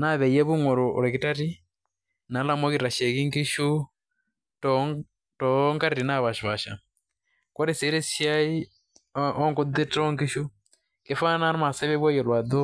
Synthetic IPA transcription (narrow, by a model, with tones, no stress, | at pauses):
na˦βɛ˨jɛ˦βu˦ŋɔ˨ɾɔ˨ṵ˨ɾɛ˨ki˦ta˦ɾi˦ | na˨˦la˦mɔ˦ɣiɾa˨ʃɛ˨ɣi˦ŋɡi˦ʃu˦ | t | tɔ˦ŋɡa˦ɾiɾi˨na˦βa˨ʃi˨βa˨ʃa̰˨ | kwɔ˦ɾisɛ˨˦ɾɛ˦sʃja˦i˦ | ɔ˦ŋɡu˦d̪i˦tɔ˦ŋɡi˦ʃu˦ | kɛ˨fa˦na˦ɾma˨sɛ˦βɛ˦βwɛ˦jɛ˨lwa˨d̪ɔ˦